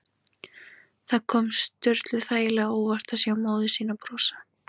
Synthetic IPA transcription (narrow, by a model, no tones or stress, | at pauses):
θakʰɔːmst̪ʏɾt̪lʏ̥θaːjɪlɛɣaɔːwvaɾ̥t̪ʰasjawmoːwðɪsiːnapɾɔːsḁ